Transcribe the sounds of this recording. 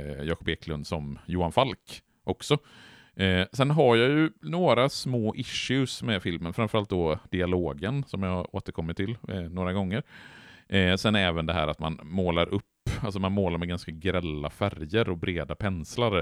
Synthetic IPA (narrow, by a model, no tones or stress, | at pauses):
jɑːkʰɔbeːklɵnd̪sɔmjuːanfalk | ʔɔksɔ | sɛnɦaɾjajɵnoːɾasmoːʔɪʂʉsmɛfɪlmənfɾamfœɾalt̪̚d̪ɔd̪ɪaloːɡənsɔmjahaɾoːt̪əɾkʰɔmːɪt̪ʰːɪlnoːɾaɡɔŋːəɾʔsɛnɛːvənd̪ɛɦæ̰ːɾat̪manmoːlaɾʔɵpːalsɔmanmoːlaɾmɛɡanskaɡɾɛlːafæɾjəɾɔbɾeːd̪apʰɛnslaɾ